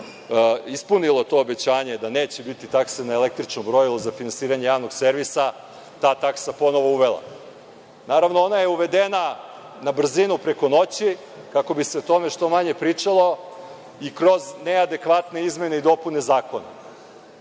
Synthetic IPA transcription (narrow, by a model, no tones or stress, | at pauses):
ispunilˠot̪o̞ːbe̞t͡ɕaːɲe̞d̪aneːt͡ɕebit̪it̪aksenaelek̚t̪ɾit͡ʃnobɾo̞jilˠozafinansiːɾaɲe̞jaːʋno̞ɡse̞ɾʋisa | t̪aːt̪aksapo̞no̞ʋo̞uʋe̞lˠa̰ | naːɾaʋnoo̞naje̞uʋe̞d̪ena | nabr̩zinupɾe̞ko̞no̞t͡ɕi | kako̞bise̞ot̪o̞meʃt̪o̞maɲe̞pɾit͡ʂalˠo̞ | ikɾo̞znead̪e̞kʋat̪ne̞izme̞ne̞id̪o̞pune̞zaːko̞na̰